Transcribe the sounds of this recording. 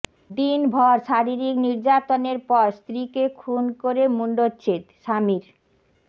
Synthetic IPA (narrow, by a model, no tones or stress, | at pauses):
d̪inbʱɔɾʃaɾiɾikniɾd͡ʑat̪oneɾpɔɾst̪ɾikekʰunkoɾemuɳɖotːt͡ɕʰet̪ʃamiɾ